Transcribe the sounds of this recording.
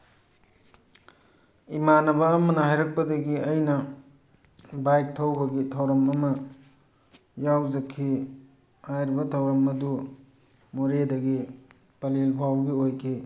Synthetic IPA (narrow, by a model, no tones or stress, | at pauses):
imanɐbɐːmɐnɐɦajɾɐk̚pɐdɐɡiɐjnɐ | bajk̚tʰɐwbɐɡitʰawɾɐmɐmɐ | jawzɐkʰːi | hajɾibɐtʰɐwɾɐmɐdu | moɾedɐɡi | pɐlelpʰawɡiojkʰi